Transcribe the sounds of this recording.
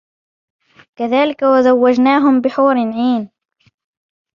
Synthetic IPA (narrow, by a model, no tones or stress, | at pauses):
kaðaːlɪkawazawːad͡ʒnaːɦʊmbɪħuːɾɪnʕiːn